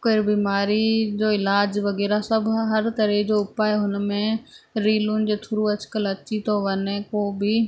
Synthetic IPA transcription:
koɪɾbiːmaːɾid͡ʑoːɪlaːd͡ʑʋɐɣɛːɾasɐbʱɦɐɾt̪ɐɾed͡ʑoːʊpaːjeɦʊnmẽ | ɾiːlʊnɪ̆d͡ʑeːt̪ʰʊɾuɐd͡ʒkəlɐt͡ʃit̪oʋɐnẽkoːbʱɪ

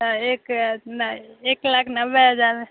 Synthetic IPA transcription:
ekneklakʰnəbeɦəd͡ʒaɾ

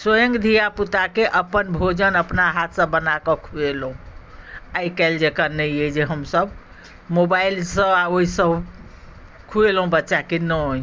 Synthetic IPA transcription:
swəjə̃ŋɡd̪ʱijaput̪akeʔəpənbʱod͡ʒənəpnaɦat̪ʰsə̃bənakəkʰuelɦũ | ajkɛld͡ʒekanəjɛd͡ʒeɦəmsəb | mobailsə̃aoɦisəb | kʰuelɦũbətːʃakenəj

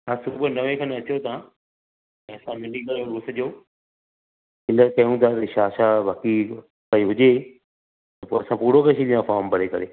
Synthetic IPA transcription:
ɦãːsʊbʱənɐʋẽkʰɐ̃nɐt͡ɕot̪ã | ɐsãmɪnĩkɐɾoɾuːsəd͡ʑoː | ɪləkɐjũt̪ʰat̪ɐʃaːʃaʋaːki | kɐiɦʊd͡ʑe | t̪ɐpoːɐsãpuːɽokɐʃiɗĩjãfaːɾmbɐɽekɐɾeː

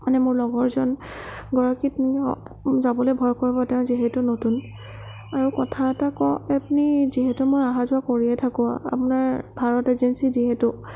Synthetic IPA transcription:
manɛmʊɹlɔɡɔɹzɔn | ɡɔɹakit | zabɔlojbʱɔjkɔɹibɔtɛʊ̃ziɦɛtʊnotun | aɹukɔtʰaɛtakɔɛpniziɦɛtʊmojaɦazʊakoɹiɛtʰakɔa̰a̰pʊnaɹbʱaɹɔtezɛnsiziɦɛtʊ

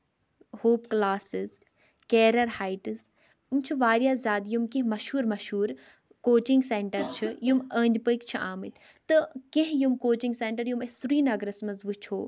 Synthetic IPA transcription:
hoːpklaːsɨz | keːɾɐɾhaːiʈɨz | umt͡ʃʰiʋaːɾjaːzaːd̪jumkẽɦmɐʃhuːɾmɐʃhuːɾ | koːt͡ʃiŋɡseɳʈɐɾt͡ʃʰijuməːnʲd̪ʲipəikt͡ʃʰiʔaːmɨt̪ʲʰ | t̪ɨkẽɦjumkoːt͡ʃiŋɡseːɳʈɐɾjumesuɾiːnɐɡɾɐsmɐzʋɨt͡ʃʰoː

